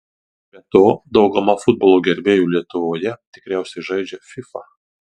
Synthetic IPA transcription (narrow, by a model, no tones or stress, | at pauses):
bʲɛt̪oːd̪ɒʊɡɐmɐfʊd̪̚bɔːlˠoːɡʲɛɾʲbʲeːjuːlʲiɛt̪ʊʋoːjɛt̪ʲɪ̥kɾʲæˑʊsʲɛɪʒɐɪd͡ʒʲɛfʲɪfɑ